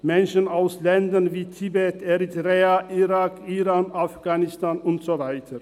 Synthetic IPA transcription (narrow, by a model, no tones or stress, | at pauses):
mɛnʃənaʊslɛndɐnviːtʰibɛtɛʁitʁeːaʔiʁaːkiʁaːnʔafɡ̥aːnɪstaːnʊntz̥ovaɪtʰə